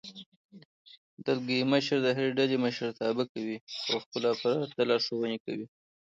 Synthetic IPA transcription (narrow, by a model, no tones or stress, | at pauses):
d̪əlɡiməʃɾd̪əɦaɾeɖaleməʃɾt̪ɑbakawiawxpəlafaɾɑt̪alɑɾsawəneka̰wi